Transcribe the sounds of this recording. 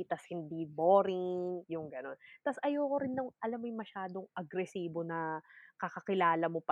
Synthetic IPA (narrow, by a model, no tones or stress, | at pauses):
t̪ɐshɪnd̪imoːɾɪŋjʊŋɡɐno̞nt̪ɐsʔɐjoːkoɾɪnːɐŋʔɐlɐmːojʊŋmɐʃaːd̪o̞ŋʔɐɡɾɛsiːbo̞nɐkɐkɐkɪlaːlɐmo̞p